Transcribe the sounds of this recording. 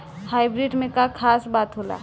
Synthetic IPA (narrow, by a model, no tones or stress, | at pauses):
haɪbɾiɖmẽkakʰaːsbaːt̪ɦola̰